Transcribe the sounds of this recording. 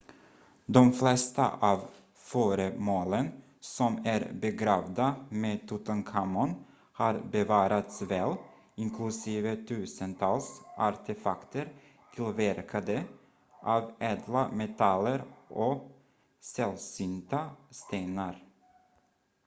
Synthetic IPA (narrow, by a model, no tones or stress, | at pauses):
d̪ɔmflɛst̪a̰ʔɑːv | fœːɾəmoːlən | sɔmæɾbɛɡɾɑːvd̪ameːt̪ʰʊt̪ənkʰamɔn | hɑɾbɛvɑːɾat̪svɛl | ɪŋkʰlɵsiːvət̪ʰʉ̟ːsənt̪ʰɑːlsaɾt̪ɛfakt̪əɾ | t̪ʰɪlvæɾkʰad̪ə | ʔɑːvɛːd̪lamɛt̪ʰalːəɾʔɔ | sɛlsʏnt̪ast̪eːnaɾ